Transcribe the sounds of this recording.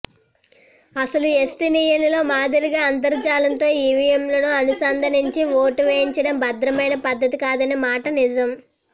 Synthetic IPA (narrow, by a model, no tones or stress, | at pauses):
ɐsɐluesʈinijɐlilo̞ːmaːd̪ɐɾiɡaːɐnt̪̬ɐɾt͡ʃaːlɐnt̪o̞ːiʋijɐmlɐnuɐnusɐːnd̪ʱɐniɲt͡ʃiʋoːʈuʋeːjiɲt͡ʃɐɽɐmbɐd̪ɾɐmɐjnɐpɐd̪ʱːɐt̪ikaːd̪ɐneːmaːʈɐnid͡ʒɐm